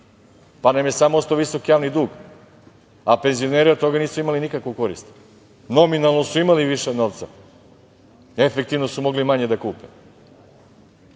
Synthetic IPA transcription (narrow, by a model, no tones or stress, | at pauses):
panemje̞samoost̪oʋiso̞kijaːʋnid̪uːɡ | ape̞nzio̞neɾiot̪̚t̪o̞ɡaniːsuimalinikakʋoko̞ɾḭst̪ | no̞minalˠno̞suimaliʋiʃenoʋt̪sa̰ | efek̚t̪iʋnosumo̞ɡlimaɲe̞d̪akuːpe